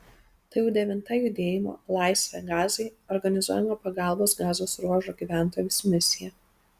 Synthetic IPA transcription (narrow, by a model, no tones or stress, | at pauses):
t̪ɐjɛʊd̪ʲɛʋʲɪnt̪ɐjʊd̪ʲeːjɪmo̰ːlˠɑˑɪsʲʋʲɛɡɑːzɐɪɔɾɡɐnʲɪzuɔjɛmoːpɐɡɑˑlˠboːsɡɑːzoːsɾuɔʒoːɡʲiːʋʲæˑnˑt̪oːjʲusmʲɪsʲɪjɛ